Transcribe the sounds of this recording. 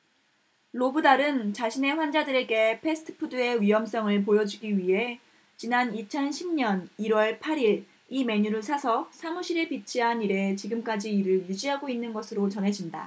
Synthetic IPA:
lobɯdaɾɯnt͡ɕaɕʰine̞ɸwand͡ʑadɯɾe̞ɡe̞pʰe̞sʰɯ̥tʰɯ̥pʰudɯe̞ɥiɦʌms͈ʌŋɯɭp̬ojʌd͡ʑiɡiɥiɦe̞ | t͡ɕinanit͡ɕʰʌnɕʰimɲʌniɾwʌɭpʰaɾiɭ | ime̞ɲuɾɯɭsʰasʰʌsʰamuɕʰiɾɯɭpit͡ɕʰiɦaniɾe̞t͡ɕiɡɯmk͈ad͡ʑiːɾɯɭjud͡ʑiɦaɡoinːɯnɡʌsʰɯɾot͡ɕʌnɦe̞d͡ʑinda̰

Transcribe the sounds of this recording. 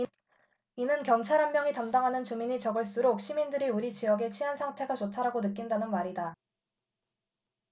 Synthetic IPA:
inɯnkjʌŋt͡ɕʰaɾɦammjʌŋitamdaŋɦanɯnt͡ɕumiɲit͡ɕʌɡɯɭs͈ɯuɾok̚ɕ͈imindɯɾiuɾit͡ɕijʌɡe̞t͡ɕʰiɦansʰaŋtʰe̞ɡat͡ɕotʰaɾaɡonɯk͈indanɯnmaɾida

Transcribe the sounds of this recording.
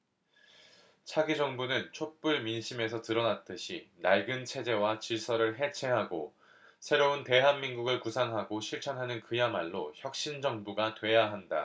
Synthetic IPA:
t͡ɕʰaɡid͡ʑʌŋbunɯnt͡ɕʰop͈uɭminɕʰime̞sʰʌtɯɾʌnat͈ɯɕʰinaɭɡɯnt͡ɕʰe̞d͡ʑe̞wat͡ɕiɭs͈ʰʌɾɯɭɦe̞t͡ɕʰe̞ɦaɡo | sʰe̞ɾounte̞ɦanːinɡuɡɯɭkusʰaŋɦaɡoɕʰiɭt͡ɕʰʌnɦanɯnkɯjamaɭːoçjʌk̚ɕ͈ind͡ʑʌŋbuɡatwe̞jaɦanda̰

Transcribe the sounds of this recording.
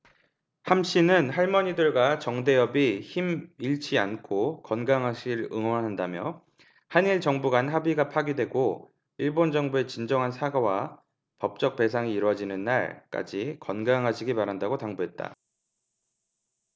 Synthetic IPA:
hamɕ͈inɯnhaɭmʌɲidɯɭɡwat͡ɕʌŋde̞jʌbiçimiɭt͡ɕʰiankʰokʌnɡaŋɦaɕʰiɾɯ̰ŋwʌnɦandamjʌ | haniɭt͡ɕʌŋbuɡanɦabiɡapʰaɡidwe̞ɡo | iɭbond͡ʑʌŋbue̞t͡ɕind͡ʑʌŋɦansʰaɡʌwa | pʌp̚t͡ɕ͈ʌk̚p͈e̞sʰaŋiːɾwʌd͡ʑinɯnːa̰ɭk͈a̰d͡ʑikʌnɡaŋɦaɕʰiɡimaɾɦandaɡotaŋbuɦe̞t̚t͈a̰

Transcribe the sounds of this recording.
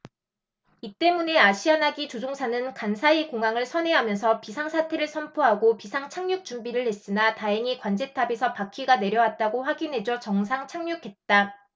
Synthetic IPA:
it͈e̞mune̞aɕʰianaɡit͡ɕod͡ʑoŋsʰanɯnkansʰaikoŋɦaŋɯɭsʰʌne̞ɦamjʌnsʰʌpisʰaŋsʰatʰe̞ɾɯɭsʰʌmpʰoɦaɡopisʰaŋt͡ɕʰaŋɲuk̚t͡ɕumbiɾɯɭhe̞s͈ɯnataɦeŋikwand͡ʑe̞tʰabesʰʌpakʰiɡane̞ɾjʌwat̚t͈aɡoɸwaɡinɦe̞d͡ʑʌt͡ɕʌŋs̬ʰaŋt͡ɕʰaŋɲukʰe̞t̚t͈a

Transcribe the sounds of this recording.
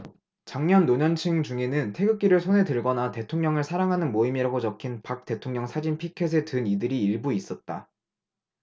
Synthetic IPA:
t͡ɕaŋɲʌnːoɲʌnt͡ɕʰɯŋd͡ʑuŋe̞nɯntʰe̞ɡɯk̚k͈iɾɯɭsʰone̞dɯɭɡʌnate̞tʰoŋɲʌŋɯɭsʰaɾaŋɦanɯnmoimiɾaɡot͡ɕʌkʰinpak̚t͈e̞tʰoŋɲʌŋsʰad͡ʑinpʰikʰe̞s̬ʰe̞tɯnidɯɾiːɭbuis͈ʌt̚t͈a

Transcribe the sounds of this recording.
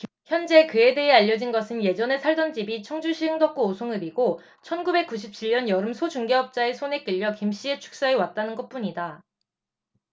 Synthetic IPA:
çjʌnd͡ʑe̞kɯede̞ɦeaʎːʌd͡ʑinɡʌsʰɯnje̞d͡ʑʌne̞sʰaɭdʌnd͡ʑibit͡ɕʰʌŋd͡ʑuɕʰiɯŋdʌk͈oosʰoŋɯɾiɡo | t͡ɕʰʌnɡube̞k͈̚uɕ̬ʰip̚t͡ɕʰiʎːʌnjʌɾɯmsʰod͡ʑuŋɡeʌp̚t͡ɕ͈ae̞sʰone̞k͈iʎːʌkimɕ͈ie̞t͡ɕʰu̥k̚s͈aewat̚t͈anɯnɡʌt̚p͈uɲida

